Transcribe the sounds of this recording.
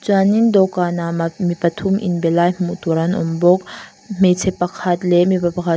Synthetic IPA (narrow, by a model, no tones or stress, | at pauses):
t͡swanind̪ɔkanamamipɐt̪ʰumʔḭnbɛlajm̥uʔt̪uɾanʔɔ̰mbɔk̚ | m̥et͡sʰɛpːɐkʰat̪̚lɛmipapɐkʰa